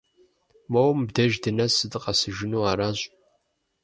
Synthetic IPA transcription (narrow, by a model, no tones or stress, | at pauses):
mowmbdɐʒdɨnɐsɨdɨqʼɑsɨʒɪnuːaːɾaːɕʼ